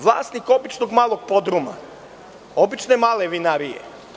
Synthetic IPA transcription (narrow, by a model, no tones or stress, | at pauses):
ʋlˠa̰ːsniko̞bit͡ʃnoɡmaːlˠoɡ̚po̞d̪ɾuma̰ | o̞bit͡ʃnemaːleʋinaɾijḛ